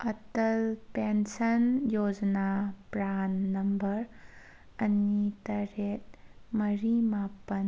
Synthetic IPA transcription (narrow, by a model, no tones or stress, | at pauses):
ɐtɐlpensɐnjod͡ʒɐnapɾanːɐmbɐɾ | ɐnitɐɾet̚mɐɾimapɐn